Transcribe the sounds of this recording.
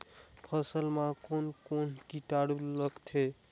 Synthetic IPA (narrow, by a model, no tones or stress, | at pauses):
pʰʌsəlmãkonkonkiʈaɽuləɡt̪ʰe